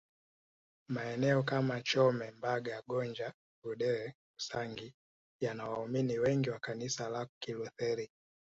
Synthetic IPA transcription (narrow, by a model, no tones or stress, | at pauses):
maɛnɛɔkamat͡ʃɔmɛmbaɡajaɡɔnd͡ʒa | ɡuɗɛɾɛ | usaŋɡi | janawauminiwɛŋɡiwakanisalakiluθɛɾi